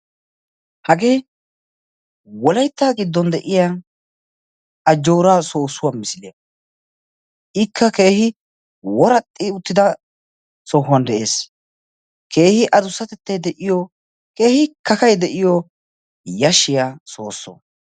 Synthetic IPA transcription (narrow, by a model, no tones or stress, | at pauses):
hɐɡe̞ː | wɔlɐjt̪ːaːɡɪd̪ːɔnd̪ɛʔɪja | ɐd͡ʒːo̞ːɾaːso̞ːsʊwamɪsɪlɪjɐ | ʔɪkʰːɐke̞ːhɪ | wɔɾɐt̪ʼːɪʊt̪ːɪd̪ɐ | sɔhʊɐnd̪ɛʔe̞ːs | ke̞ːhɪʔɐd̪ʊsːɐt̪ɛt̪ːɐjd̪ɛʔɪjɔ | ke̞ːhɪkɐkɐjd̪ɛʔɪjɔ | jɐʃɪjaːso̞̰ːsːo̰ː